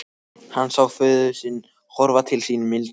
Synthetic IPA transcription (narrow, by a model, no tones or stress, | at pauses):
hanːsawfʏːðʏsɪnː | hɔɾvat̪ʰɪlsinʏmɪl